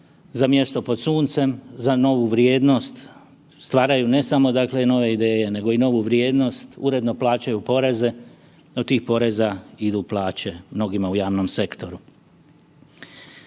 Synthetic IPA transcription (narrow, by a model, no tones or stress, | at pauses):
zamje̞st̪o̞po̞d̪suːnt̪se̞mzano̞ʋuʋɾjeːd̪no̞st̪ | st̪ʋaːɾajune̞samo̞d̪akle̞no̞ʋe̞id̪e̞ːje̞ne̞ɡo̞ino̞ʋuʋɾjeːd̪no̞st̪ṵɾe̞d̪no̞plˠaːt͡ɕajupo̞ɾe̞ze̞ | d̪ot̪iːxpo̞ɾe̞zaid̪uplˠaːt͡ɕe̞mno̞ɡimaujaːʋno̞mse̞kt̪o̞ɾu